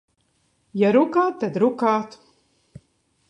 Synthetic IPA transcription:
jaɾukaːt̪ːad̪ɾukaːt̪

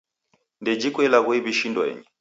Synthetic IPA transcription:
ndɛd͡ʒikwɛlaɣwiβiʃindwɛ̰ɲɛ

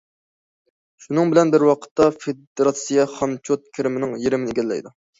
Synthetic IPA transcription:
ʃunɨŋbɪlɛnbɪɾwɑqʰə̥t̪ːɑfed̪eɾɑt̪sijɑχɑmt͡ʃʰot̪̚kʲʰeɾɪmɪnɪŋjeɾɪmɪnɪɡʲɛlːɛ̰jd̪u

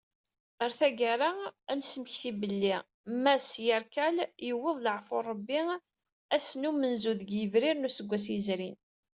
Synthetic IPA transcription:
əɾθæɡaɾaænsəməçθibəlːi | mæsjəɾkæljəwəðˤləʕforˤːəbːi | æsnumənzuðɡjəvɾiɾnusəɡʷːæsizɾin

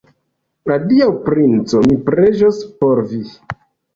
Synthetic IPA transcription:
nadiawpɾint͡so̞mipɾe̞ʒospo̞ɾvi

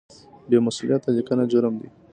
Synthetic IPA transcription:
bemasulijat̪alikanad͡ʒʊɾəmd̪i

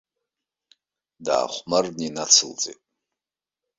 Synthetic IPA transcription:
da̰ːχʷmarninat͡sʰɨlt͡sʼḛtʼ

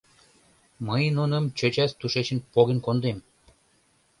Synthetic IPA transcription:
məjnunɤ̆mt͡ɕø̆t͡ɕæst̪uʃet͡ɕɘ̆npoɣʲĕnkond̪em

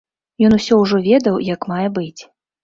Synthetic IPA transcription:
jɔnusʲɔwʐɔvʲɛd̪ɐwjakmajɛbɨt͡sʲ

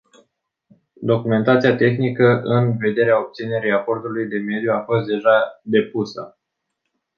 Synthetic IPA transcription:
d̪o̞kume̞nt̪at̪sijat̪e̞xnikəʔɨnve̞d̪e̞ɾeao̞p̚t̪sine̞ɾiapo̞rt̪ulujd̪e̞me̞d̪juafo̞st̪̚d̪e̞ʒad̪e̞pusə̰

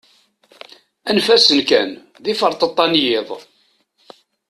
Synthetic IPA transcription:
ænfæsənkæn | ðifəɾˤt̪ˤət̪ˤːɑnjɪðˤ

